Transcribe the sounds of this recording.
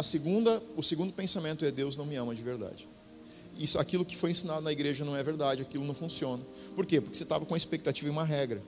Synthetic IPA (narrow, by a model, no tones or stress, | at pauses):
ɐseɡũnd̪ɐʊseɡũnd̪ʊpẽsamẽnt̪ʊɛd̪ewznɐ̃w̃mɪɐ̃mɐd͡ʒɪveɾd̪a̰d͡ʒɪ | isʊa̰kilʊkɪ̥fojẽsinad̪ʊnɐiɡɾeʒɐnɐ̃w̃ɛveɾd̪ad͡ʒɪakilʊnɐ̃w̃fũsiõnɐ | poɾkepoɾkɪ̥set̪avɐkõɐespek̚t̪at͡ʃivɐũmɐɦɛɡɾɐ